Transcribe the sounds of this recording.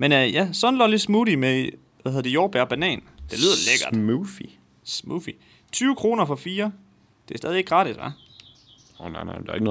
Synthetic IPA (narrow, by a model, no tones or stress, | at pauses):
menøjæsɒ̽n̩lɒlid̥smuɾ̥ime | ʋæheðˠd̥joːb̥æɐb̥ænɛ̰ːn | d̥e̝lið̞̰ˠɐleɡ̥ɐd̥mufi | smufi | t͡sʰyːʊəkʰʁo̝ːnɐfɒ̽fiːɐ | d̥e̝æsdɛːð̞ˠie̝ɡ̥̚ɡʁɑ̈ːɾ̥isʋɑ | onaɪnaɪmd̥ɑe̝ɡ̥ənɔ